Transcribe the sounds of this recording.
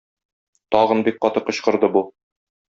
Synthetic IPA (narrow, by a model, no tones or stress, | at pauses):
t̪ɒʁɤnbik̚qɒt̪ɤqɤ̆ɕqɤ̆ɾd̪ɤbu